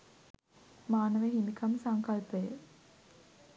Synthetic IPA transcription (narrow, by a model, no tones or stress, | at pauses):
maːnəʋeɦimikʰɐmsaŋkɐlpəjə